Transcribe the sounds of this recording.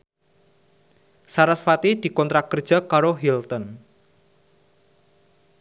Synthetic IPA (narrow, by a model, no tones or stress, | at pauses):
saɾasfat̪id̪̥i̤kɔnt̪ɾakərd̥ʒ̥a̤kaɾoɦilt̪ɔn